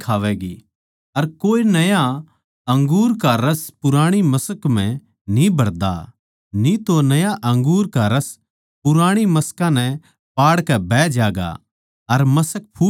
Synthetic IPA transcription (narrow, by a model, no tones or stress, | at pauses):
kʰaːʋɛɡi | ɐɾkoːenɐja | ɐ̃ŋɡuːɾkaɾɐspʊɾaːɽ̃imɐsəkmɛ̃ | nĩbʱɐɽd̪a̰ | nit̪onɐjaʔɐ̃ŋɡuːɾkaɾɐs | pʊɾaːɽ̃imɐskãnɛ̃ | paːɽkɛbɛːd͡ʒaːɡa̰ | ɐɾmɐsək̚pʰuː